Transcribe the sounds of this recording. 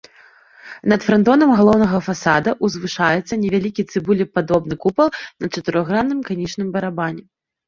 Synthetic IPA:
nɐt̪fɾɐnd̪ɔnɐmɣalˠɔwnɐɣɐfasad̪ɐʔuzvɨʂajɛt̪sːɐnʲɛvʲalʲikʲit̪sɨbulʲɛpad̪ɔbnɨkupɐlˠnɐt͡ʂɐt̪ɨɾɔɣɾanːɨmkanʲit͡ʂnɨmbɐɾabanʲɛ

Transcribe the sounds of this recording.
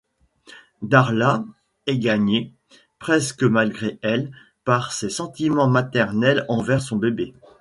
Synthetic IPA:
d̪aʁla | ɛɡaɲe | pχɛskəmalɡʁeɛl | paʁsesɑ̃t̪imɑ̃mat̪ɛʁnɛlɑ̃vɛʁsɔ̃bebe

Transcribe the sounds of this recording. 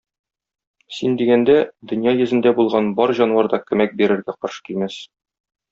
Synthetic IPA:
sind̪iɡænd̪æd̪ɵ̆njɑjɘ̆zɘ̆nd̪æbulˠʁɑnbɒɾʑɒnwɑɾd̪ɑkɵ̆mæk̚biɾɘ̆ɾɡæqɒɾʃɤ̥kilmæs

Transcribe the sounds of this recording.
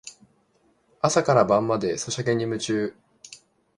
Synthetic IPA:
asakaɾabãmːad̪e̞so̞ɕake̞ɲ̟ːimɯ̟t͡ɕɨː

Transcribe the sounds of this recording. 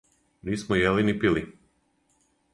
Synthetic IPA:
niːsmojelinipili

